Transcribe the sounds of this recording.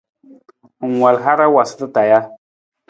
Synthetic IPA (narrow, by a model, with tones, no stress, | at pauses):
ŋ˨wa˨lɦa˦ɾa˦wa˨sə̥˦tə˦ta˨ja˦